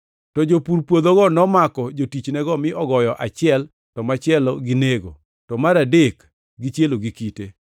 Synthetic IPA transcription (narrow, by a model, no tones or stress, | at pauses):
tɔd͡ʒopuɾpwod̪oɡɔnɔmakɔd͡ʒotit͡ʃnɛɡɔmɪʔɔɡɔjɔʔat͡ʃɪɛl | tɔmat͡ʃɪɛlɔɡɪneɡo̰ | tɔmaɾadek | ɡit͡ʃjeloɡikite